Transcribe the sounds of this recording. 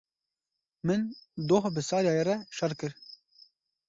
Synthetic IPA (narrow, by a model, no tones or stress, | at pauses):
mɨnd̪oːɦbɨsɑːɾjɑːjeɾɛʃɐɾkɨɾ